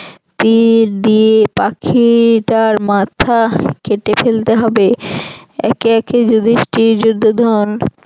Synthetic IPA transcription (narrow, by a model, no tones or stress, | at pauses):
t̪iɾd̪iepakʰiʈaɾmat̪ʰakeʈefelt̪eɦɔbe | ɛ̰keɛked͡ʑud̪ʱiʃʈiɾd͡ʑud̪ʱːod̪ʱɔn